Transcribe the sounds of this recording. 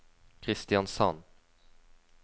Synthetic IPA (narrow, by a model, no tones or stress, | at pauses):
kʰɾɪst̪ɪɑnsɑ̰n